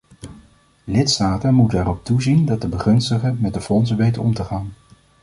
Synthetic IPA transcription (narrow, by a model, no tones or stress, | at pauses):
lɪtstaːtənmutənɛrɔp̚tuzindɑt̚dəbəχɵnstəχəmɛt̚dəfɔnsənʋejtənɔmtəχaːn